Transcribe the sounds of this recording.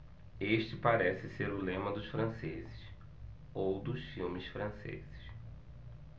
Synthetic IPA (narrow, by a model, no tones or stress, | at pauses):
eʃt͡ʃɪpaɾɛsɪseɾʊlẽmɐd̪ʊsfɾɐ̃sezɪs | owd̪ʊsfiwmɪsfɾɐ̃sḛzɪs